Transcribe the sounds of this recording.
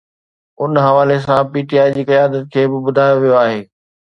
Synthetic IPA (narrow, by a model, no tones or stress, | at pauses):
ʊnɦɐʋaːlesãpiːʈiaːid͡ʑiːkɐjaːd̪ət̪̚kʰeːbɪbʊd̪ʱaːjoʋijoaːɦeː